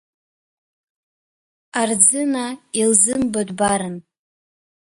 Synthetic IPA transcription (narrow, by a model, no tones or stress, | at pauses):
ard͡zɨnailzɨmbadbaɾɨn